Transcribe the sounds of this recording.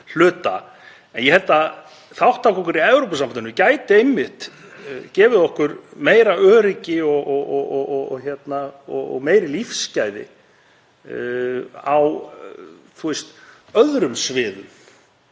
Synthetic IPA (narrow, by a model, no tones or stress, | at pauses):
l̥ʏːt̪a̰ | ɛnjɛhɛlt̪a | θawht̪ʰakɔhkʏɾiɛvɾowpas̬amanɪnʏmcaːjt̪ɪemːɪht̪ | cɛːvɪðɔhkʏɾmeːjɾaʔœːɾɪcɪɔɣɔɣɔɔɔɣɔçjɛt̪naɔɣɔ̰ɣmeːjɾɪlifscaːjðɪ̰ | aw | θuɛst̪œðɾʏmsvɪːðʏ̰m